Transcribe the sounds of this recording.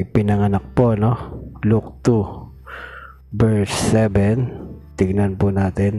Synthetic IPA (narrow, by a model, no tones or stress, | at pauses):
pɪnɐŋɐnak̚poʔnoluk̚t̪u | bɛɹsɛbɛnt̪ɪɡnɐnpunaːt̪ɛn